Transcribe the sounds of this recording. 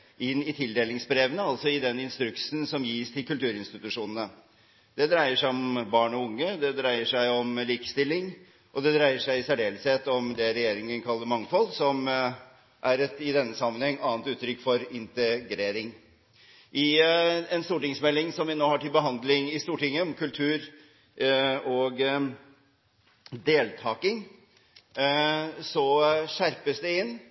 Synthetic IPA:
ʔɪnːɪt̪ʰɪld̪eːlɪŋsbɾeːʋənəɑlt̪sɔɪd̪ɛnːɪnst̪ɾʉksn̩sɔmjiːst̪ʰɪlkʉlt̪ʉːɾɪnst̪ɪt̪ʉʂuːnənə | d̪̥ɛd̪ɾæɪəʂæɪɔmbɑːɳɔʊŋːəd̪ɛd̪ɾæɪəʂæɪɔmliːkə̥st̪ɪlːɪŋ | ʔɔd̪ɛd̪ɾæɪəʂæɪsæɖeːləsheːt̪ɔmd̪ɛɾɛjeːɾɪŋənkʰɑlːəɾmɑŋfɔlsɔm | ʔæɾɛt̪ɪd̪ɛnːəsɑmːənhɛŋːʔɑːnt̪ʉːt̪ʰːɾʏkːfɔɾɪnt̪əɡɾeːɾɪŋ | ʔɪɛnst̪uːʈɪŋsmɛlːɪŋsɔmʋɪnoːhɑʈɪlbəɦɑnd̪lɪŋɪst̪uːʈɪŋːəɔmkʰʉlt̪ʰʉːɾ | ɔɡ | d̪eːlt̪ʰɑːkɪŋ | sɔʂæɾpəsd̪ɛɪnː

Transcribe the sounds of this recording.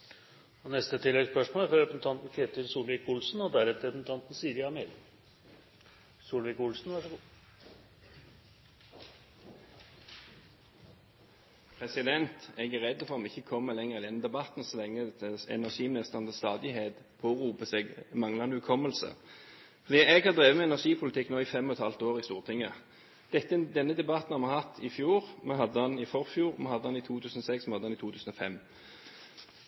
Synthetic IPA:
ɔnɛst̪ət̪ʰɪlːɛɡspœʂmoːlfɾɑɾɛpənət̪ʰɑnt̪n̩kʰeːt̪əɾsuːlʋɪkʊlsn̩ɔd̪æɾɛt̪əɾɛpnt̪ʰɑnt̪n̩siːɾɪɑmeɾ | suːlʋɪkʊlsn̩ʋɑʂɔ | pʰʁɛsɪd̪ɛnt̪ɛɡæʁɛd̪ːəfɔʁɔmɪçːəkʰɔmːəlɛŋəʁɪd̪ɛnd̪ɛbɑt̪n̩ɔsʋɛŋːət̪ʰəɛ̰næʁʂiːmɪnɪst̪əʁɑnd̪əst̪ɑːd̪ɪɦeːd̪pʰoːʁuːpəseɡmɑŋlɑnʉkʰɔmːəlsə̰ | fɔʁd̪iːɛɡhɑʁd̪ʁeːʋəmɛɛnæʁʂiːpʰʊlɪt̪ɪkːnoːifɛmːɔɛt̪ʰhɑlt̪oːʁɪst̪uːʁt̪ʰɪŋːə | d̪̥ɛt̪ːəd̪ɛnːəd̪ɛbɑt̪nhɑmɑhɑt̪ʰːɪfjuːʁmɛɦɑd̪ːəɑnɪfɔʁfjuːʁmɛhɑd̪əhɑnit̪ʰuːt̪ʰʉːsn̩ɔsɛksmɛhɑd̪əhɑnit̪uːt̪ʉːsn̩ɔfɛm

